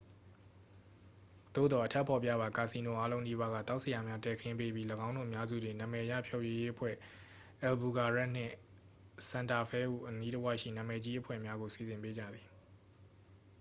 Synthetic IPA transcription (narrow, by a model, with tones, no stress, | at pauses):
d̪̥o̰˦˨d̪ɔ˨ʔətʰɛ˦˨pʰɔ˨pjä̰˦˨βa˨ka˨si˨no̰˦˨ʔa˦lõ˦ʊ̃ni˦βa˦ɣa̰˦˨t̪a˦ʊʔsə˨ja˨mja˦tɛ˨kʰɪ̃˦mpe˦bji˦ləɡã˦ʊ̃no̰˦˨əmja˦zṵ˦˨dɪ̃˨nã˨mɛ˨ja̰˦˨pʰjo˦˨je˨je˦ʔəpʰwɛ̰˦˨ | ʔɛ˨lbu˨ɡa˨ɹa˦ʔn̥ɪ̰̃˦˨ | sã˨nta˨pʰɛ˦ʔṵ˦˨ʔəni˦tə˦wa˦ʔʃḭ˦˨nã˨mɛ˨d͡ʑi˦ʔəpʰwɛ̰˦˨mja˦ɣo˨si˨zɪ̃˨mpe˦d͡ʑa̰˦˨d̪ði˨